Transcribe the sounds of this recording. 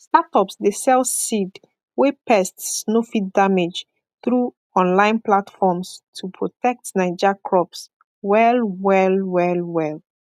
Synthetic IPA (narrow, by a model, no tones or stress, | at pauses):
statɔpsdesɛlsid | wepʰɛstsnofit̚damed͡ʒ | θɹu | ɔ̃nlãɪ̃nplatfɔmstʰupʰɹɔtʰɛk̚tnaɪd͡ʒəkʰɹɔps | wɛlwɛlwɛlwɛl